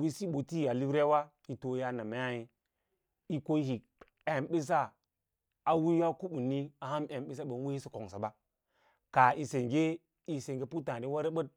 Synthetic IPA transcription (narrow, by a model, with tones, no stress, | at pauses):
wi˦si˦ɓo˨ti˦˨a˨li˦ɾe˦wa˦ | i˨to˨ja˦na˨ma˨˦ja˦ji˦ | i˦ko˦hi˨ | e˨mɓi˦s̬a˦ | a˨wi˦ja˦ku˦ɓu˨ni˦a˨ha˦mʔe˨ɓi˦s̬a˦ɓə˨n˦wi˦hi˦si˨ko˨ŋsa˨ba˦ | ka˨i˨se˨ŋɡe˦ | i˦se˨ŋɡe˨pu˦tã˨ɾi˦wa˦ɾe˦ɓə˦t̚